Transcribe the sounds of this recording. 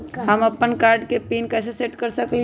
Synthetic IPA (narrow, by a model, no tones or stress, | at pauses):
ɦəmɐpːənkaːɾɖkepiːnkaseseʈkəɾsəkli